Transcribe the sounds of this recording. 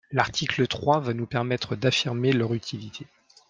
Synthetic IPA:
laʁt̪ʰiklət̪χwavanupɛʁmɛt̪χəd̪afiʁmelœʁyt̪ʰilit̪ʰe

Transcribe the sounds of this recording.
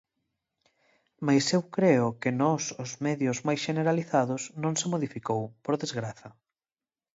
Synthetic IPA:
majsewkɾeʊkenɔsʊzmɛðjʊzmajsʃeneɾaliθaðʊsnõŋsemoðifikowpoɾðezɣɾaθɐ

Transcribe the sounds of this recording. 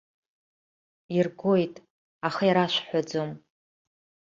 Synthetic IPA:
irɡojtʼ | aχaiɾaʃʷħʷad͡zom

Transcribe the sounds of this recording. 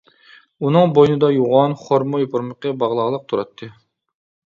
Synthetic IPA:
unɨŋbojnɨd̪ɑjuʁɑnχoɾmojopʰʊɾməqəbɑʁlˠɑʁlˠəq̚t̪ʰuɾɑt̪ʰːɨ

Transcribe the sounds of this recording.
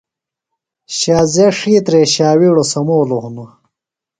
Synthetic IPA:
ɕaːzeʂiːt̪ɾeɕaːwiːɽosɐmoːlohuno

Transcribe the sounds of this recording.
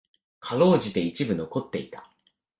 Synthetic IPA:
kʰaɾo̞ːʑit̪e̞it͡ɕibɯ̟no̞ko̞t̪ːe̞it̪ḁ̰

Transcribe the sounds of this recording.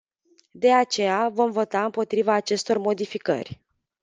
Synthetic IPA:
d̪e̞at͡ʃe̞javo̞mvo̞t̪aɨmpo̞t̪ɾivaːt͡ʃe̞st̪o̞rmo̞d̪ifikə̰rʲ

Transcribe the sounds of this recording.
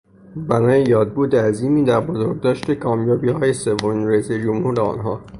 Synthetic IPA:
bænɒːjejɒːd̪̚buːd̪eæziːmiːd̪æɾbozoɾɡ̚d̪ɒːʃt̪e̞kʰɒːmjɒːbiːhɒːje̞se̞vomiːnɾeised͡ʒomhuːɾeɒ̰ːnɦɒː

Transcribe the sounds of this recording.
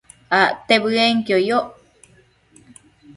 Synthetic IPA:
at̪eβɨeŋkiojoʔ

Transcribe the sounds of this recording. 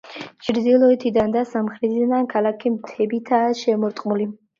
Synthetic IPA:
t͡ʃʰʼɾd̪ilˠɔɛt̪ʰid̪and̪asamχɾɛt̪ʰid̪nankʰalakʰimt̪ʰɛbit̪ʰaːʃɛmɔɾt̪ʼqʼmuli

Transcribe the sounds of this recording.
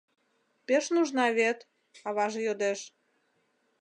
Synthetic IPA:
peʃnuʒnɑβet̪ | ɑβɑʒejod̪eʃ

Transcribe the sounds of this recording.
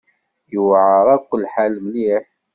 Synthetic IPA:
jəwʕəɾˤækʷːəlːħalmli

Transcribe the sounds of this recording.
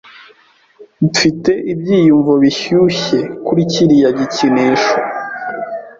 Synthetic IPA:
bifite̞ʔib̚ɟiːjuɱvoβiçuçe̞kuɾiciɾijaɟicineʃo

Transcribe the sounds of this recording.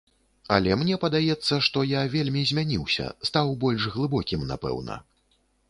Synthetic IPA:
ɐ̰lʲɛmnʲɛpɐd̪ajɛt̪sːɐʂt̪ɔjavʲelʲmʲizʲmʲanʲiwsʲɐ̰st̪awbɔlʲʂɣlˠɨbɔkʲimna̰pɛ̰wnɐ̰

